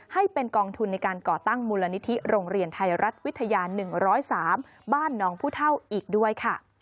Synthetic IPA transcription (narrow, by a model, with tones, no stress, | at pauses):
ha˥˩jpe˧nkɔː˧ŋt̪ʰu˧nːa˧jkaː˧nkɔː˨˩t̪a˥˩ŋmuː˧la˧ni˦˥t̪ʰi˦˥ɾoː˧ŋɾi˧ənt̪ʰa˧jɾa˦˥t̪̚wt̪ʰːa˧jaː˧nɯ˨˩ŋɾɔː˦˥jsaː˩˦m | baː˥˩nːɔː˦˥ŋpʰuː˥˩t̪ʰa˥˩wʔiː˨˩k̚du˥˩əjkʰa˥˩